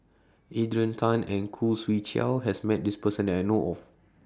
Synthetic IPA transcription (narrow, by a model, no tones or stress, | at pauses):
ʔidɹə̃ntʰãnɛ̃nkʰuswit͡ʃɛ̰lɦɛsmɛt̚dispəsə̃ndɛtajnoʔɔf